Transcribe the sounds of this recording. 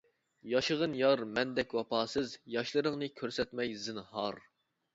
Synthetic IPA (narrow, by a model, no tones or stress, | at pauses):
jɑʃɨʁənjɑɾmɛnd̪ɛkʲwɑpʰɑːsɨzjɑʃlˠɨɾəŋnɨkʲʰøɾsɛt̪mɛjzɨnhɑɾ